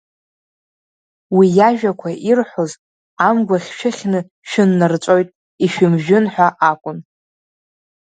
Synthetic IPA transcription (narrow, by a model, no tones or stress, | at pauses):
wijaʒᶣakʷʰaʔirħʷoz | amɡʷaχʲʃʰᶣɪχʲnɨ | ʃᶣɪnːart͡ʃʷʼo̞jtʼ | iʃᶣɪmʒᶣɪnħʷᶣaʔakʷʼʊn